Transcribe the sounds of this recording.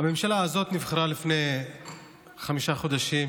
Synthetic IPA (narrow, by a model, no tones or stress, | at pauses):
ame̞mʃalaːzo̞t̪nivχaɾalifnej | χamiʃaχo̞d̪aʃim